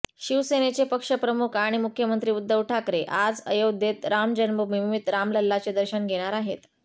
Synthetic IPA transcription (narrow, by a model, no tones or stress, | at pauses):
ɕiʋsenet͡sepəkʂəpɾəmukʰaɽ̃imukʰjəmənt̪ɾiːud̪ʱːəʋʈʰakɾeʔad͡zəjod̪ʱet̪ɾamd͡ʑənməmimit̪ɾamləlːat͡sed̪əɾɕənɡʱeɽ̃aɾaɦḛt̪